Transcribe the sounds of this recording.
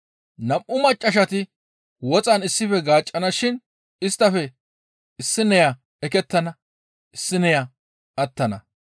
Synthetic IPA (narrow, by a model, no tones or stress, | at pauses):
nɐmʔʊmɐt͡ʃʼːɐʃɐt̪ɪ | wɔt͡sʼɐnɪsːɪfɛɡaːt͡ʃʼːɐnɐʃɪn | ɪst̪ːɐfɛ | ɪsːɪnɛjɐ | ɛkɛt̪ːɐnɐ | ɪsːɪnɛjɐ | ɐt̪ːɐnɐ̰